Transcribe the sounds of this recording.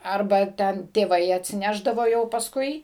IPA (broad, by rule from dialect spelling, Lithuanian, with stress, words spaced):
ˈɐrbɐ ˈtʲɛn tʲeːˈʋɐɪ ɐtʲsʲɪˈnʲæːʒdɐʋoː jɛʊ pɐsˈkʊɪ